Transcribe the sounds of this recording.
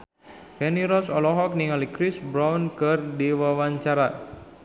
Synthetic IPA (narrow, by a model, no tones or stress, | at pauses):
fɛniɾɔsɔlɔɦɔk̚niŋalikɾisbɾawnkɨrdiwawaɲt͡ʃaɾa